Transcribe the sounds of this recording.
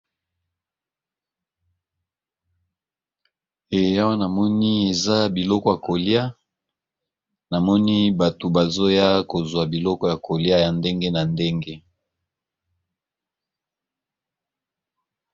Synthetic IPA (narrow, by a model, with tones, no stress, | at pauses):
e˨a˦wa˦na˨mɔ˦ni˦e˨za˦bi˨lɔ˦kɔ˦ja˨ko˨li˦a˦ | na˨mɔ˦ni˦ba˨to˨ba˨zo˦ja˦ko˨zwa˨bi˨lɔ˦kɔ˦ja˨kʰo˨lja˦ja˨nde˦ŋɡe˦na˨nde˦ŋɡe˦